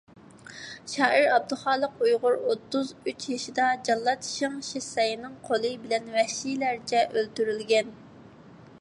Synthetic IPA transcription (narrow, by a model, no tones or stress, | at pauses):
ʃɑːʔiɾɑb̚d̪uχɑːlˠəq̚ujʁʊɾot̪ʰːuzyt͡ʃʰjɑʃid̪ɑd͡ʒɑlˠːɑt̪ʰʃɪŋʃesɛjinɨŋqʰolˠɨbɪlɛnwɛhʃijlæɾt͡ʃʰɛʔølt̪yɾylɡʲɛn